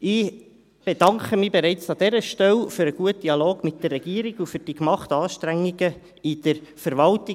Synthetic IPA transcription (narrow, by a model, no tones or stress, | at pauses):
ɪ | b̥ɛdɑŋkəmibɛɾɛɪt͡sɑd̥̪ɛɾəʃtɛlfyɾəɡ̥uət̚d̥iɑloːɡ̥mɪt̚d̥ərːɛɡ̥iəɾiɡufyɾd̥ikmɑχtɑːʃtɾæŋːiɡ̥ə | id̥əɾfəɾʋɑlti